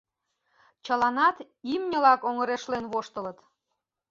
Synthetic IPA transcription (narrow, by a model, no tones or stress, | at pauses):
t͡ɕəlɑnɑt̪ | imnʲəlɑkoŋəɾeʃlenβoʃt̪ələt̪